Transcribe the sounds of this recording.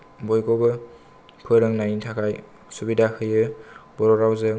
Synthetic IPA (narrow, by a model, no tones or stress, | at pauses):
bɔjkɔbɯ | pʰɯɾɯŋnajintʰakʰaj | subidakʰɯjɯbɔɾɔɾawzɯ